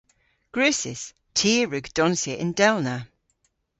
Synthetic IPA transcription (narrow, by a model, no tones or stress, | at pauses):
ɡ̥ɹʉːsɪ̰s | tʰiːɹʉɡd̥ɔnsəʔɪ̰̃ndɛlˠna